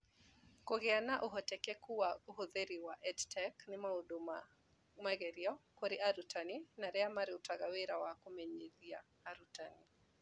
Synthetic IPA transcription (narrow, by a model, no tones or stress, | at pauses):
koɣɛanaʔuɦɔtɛkɛkuwauɦoðeɾiwaʔɛdtʰɛknɪmauɗuma̰ | maɣɛɾiɔkoɾiaɾutaninaɾɛamaɾiutaɣaweɾawakomɛɲeðia | aɾutani